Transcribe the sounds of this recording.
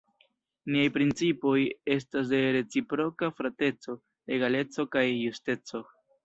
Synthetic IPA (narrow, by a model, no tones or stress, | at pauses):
niajpɾint͡sipo̞je̞s̬tas̬de̞ɾe̞t͡sipɾo̞kafɾate̞t͡so̞ | le̞ɡale̞t͡so̞kajːuste̞t͡so̞